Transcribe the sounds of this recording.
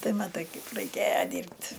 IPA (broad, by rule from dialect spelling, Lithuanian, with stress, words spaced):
ˈtɐɪ mɐˈtɐɪ ˈkɐɪp rɐɪˈkʲeːjɛ ˈdʲiːrʲpʲtʲ